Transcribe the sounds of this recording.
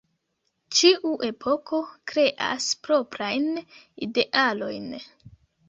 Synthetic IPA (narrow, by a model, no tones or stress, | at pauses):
t͡ʃiʔuʔe̞pʰo̞kʰo̞kɾe̞ʔa̰spɾo̞pɾajn | ide̞ʔalo̞jn